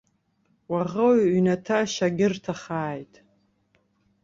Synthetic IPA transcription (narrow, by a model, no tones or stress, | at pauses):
waʁəwɥnatʰaʃaɡʲɪrtʰaχaːjtʼ